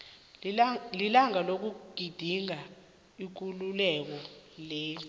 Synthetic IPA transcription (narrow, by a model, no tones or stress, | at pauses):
lilaŋalok̬uɡ̥ʱid̥ʱiŋa | ik̬ululɛk̬ɔleː